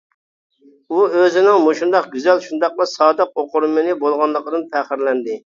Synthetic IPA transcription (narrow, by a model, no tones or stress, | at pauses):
uøzɪnɪŋmoʃund̪ɑqɡʲyzɛlʃund̪ɑq̚lˠɑsɑːd̪əq̚oqʊɾmɨnɨbolˠʁɑnlˠəqd̪ɨnpʰæχɪɾlɛnd̪ɪ